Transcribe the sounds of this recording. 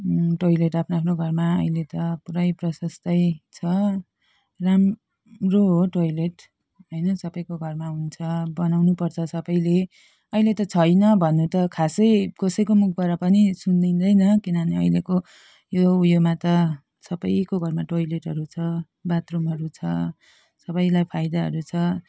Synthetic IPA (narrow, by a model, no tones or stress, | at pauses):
ʈojleʈapʰnoapʰnoɡʱʌrmaʌ̰jlet̪ʌpuɾʌjprʌsʌst̪ʌjt͡sʰʌ | ram | roɦoʈojleʈ | ɦojnʌsʌbʌjkoɡʱʌrmaunt͡sʰʌbʌnawnupʌrt͡sʰʌsʌbʌjle | ʌilet̪ʌt͡sʰʌjnʌbʱʌnːut̪ʌkʰasʌjkʌsʌjkomuk̚ʰbaɾapʌnisund̪ind̪ʌjnʌkinʌneʌ̰jleko | joujomat̪ʌ | sʌbʌjkoɡʱʌrmaʈojleʈɦʌɾut͡sʰʌ | bat̪rumɦʌɾut͡sʰʌ̰ | sʌbʌjlajpʰajd̪aɦʌ̰ɾut͡sʰʌ